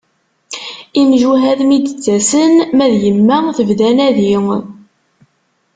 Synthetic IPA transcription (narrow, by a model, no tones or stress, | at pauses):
imʒuɦæðmid̪ət͡sːæsənmæðjəmːæθəvðænæði